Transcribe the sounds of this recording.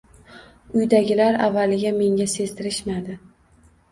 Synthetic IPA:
ʊjd̪aɡʲɪlaɾa̰vːalɪɡʲame̞ŋʲase̞zt̪ʰɪɾɪʃmad̪ɪ

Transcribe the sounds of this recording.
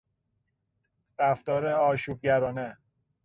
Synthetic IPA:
ɾæft̪ɒːɾeɒːʃuːb̚ɟæɾɒːne

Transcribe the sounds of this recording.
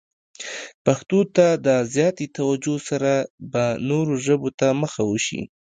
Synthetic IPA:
paxt̪ot̪ad̪əzjɑt̪et̪awad͡ʒosaɾabanoɾoʒəbot̪aməxawəʃḭ

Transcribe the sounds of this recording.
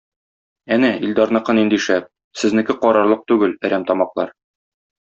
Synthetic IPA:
ænæild̪ɑɾnɤ̆qɤnind̪iʃæp̚ | sɘ̆znɘ̆kɘqɒɾɑɾlˠɤq̚t̪ʉɡɘlæɾæmt̪ɒmɑqlˠɑɾ

